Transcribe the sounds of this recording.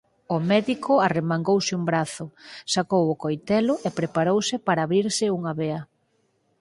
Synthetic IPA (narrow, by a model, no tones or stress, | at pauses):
ʊmɛðikʰʊaremaŋɡowsɪumbɾaθʊsakowʊkojt̪ɛlʊʔepɾepaɾowsɪpaɾaːβɾiɾsɪuŋɐβeɐ